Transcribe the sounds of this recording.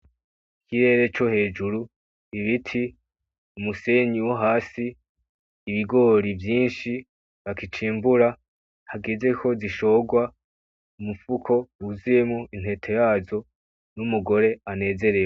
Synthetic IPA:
ikʰiɾe̞ːɾe̞t͡ʃo̞he̞ːd͡ʒuɾu | iβitʰi | umuse̞ɲiwoɦaːsiː | βiɡo̞ɾivjiːnʃi | βakit͡ʃiːmbuɾa | haɡeze̞kʰo̞ziʃo̞ɡwa | umufukʰo̞uzije̞mŋoʔin̥he̞tʰe̞jaːzo̞ | numuɡo̞ɾe̞ane̞ːze̞ɾe

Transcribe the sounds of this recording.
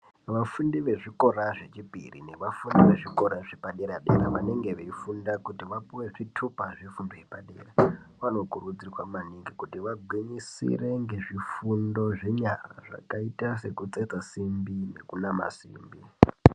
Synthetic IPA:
ʋafundiʋe̞ʐiko̞ɾaʐe̞t͡ʃipḭrḭne̞ʋafundiʋe̞ʐiko̞ɾaʐepaɗeɾaɗḛɾa̰ʋane̞ŋɡe̞ʋeifundakutiʋapuwe̞ʐitʰupaʐifundojepaɗḛːra | ʋano̞kurud͡zirwamaniŋɡikutiʋaɡʱwiɲisḭre̞ŋɡe̞ʐifundo̞ʐe̞ɲara̰ʐa̰kaitase̞kut͡set͡sasimbine̞kunama̰siːmbi

